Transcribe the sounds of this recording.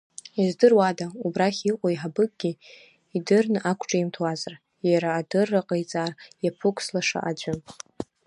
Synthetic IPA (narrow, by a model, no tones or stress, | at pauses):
izdɨrwadaubraχʲiqʷʼoiħabɨkʼɡ̥ʲi | idɨrnɨʔakʷʰʈ͡ʂʼaimtʰwazar | jaɾaːdɨrːaqʼejt͡sʼaːrjapʰɨkʷʰslaʂa̰ʔad͡ʒʷʊ